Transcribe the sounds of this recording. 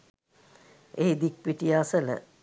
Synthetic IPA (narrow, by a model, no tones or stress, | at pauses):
eːid̪ik̚piʈijaːsələ̰